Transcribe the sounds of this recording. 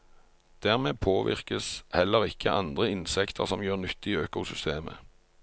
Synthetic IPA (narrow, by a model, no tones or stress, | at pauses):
d̪̥æːʁmeːpʰoːʋɪ̰ʁkəshɛlːəʁɪkʰːəʔɑnd̪ʁəɪnsɛkt̪ʰəʁsɔmjøːʁnʏt̪ːiːøːkʊsʏst̪eːmə̰